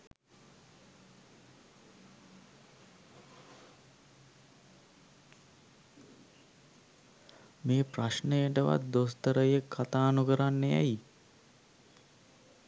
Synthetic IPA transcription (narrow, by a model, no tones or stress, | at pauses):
meːpraʃnəjəʈəʋa̰t̪̚d̪ost̪əɾəjəkʰːat̪aːnukəɾanːejæ̰ji